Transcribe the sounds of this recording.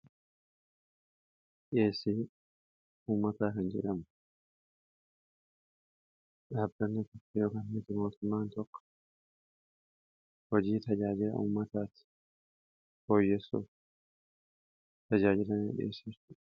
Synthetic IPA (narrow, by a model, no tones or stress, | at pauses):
ᶑeːsːiː | uːmːɐt̪aːkɐnd͡ʒɛ̰ᶑɐmʊ | ᶑabːɐnːɐt̪ɔkːɐjo̞ːkɐnmɪt̪ɪmo̞ːt̪ʊmːaːnt̪ɔkːɔ̥ | hɔd͡ʒiːt̪ɐd͡ʒaːd͡ʒɪlɐ̰ṵːmːɐt̪aːt̪ɪ̥ | bo̞ːjːɛsːṵf | t̪ɐd͡ʒaːd͡ʒɪlɐnḛᶑɪḛːsɪɾt̪ʊ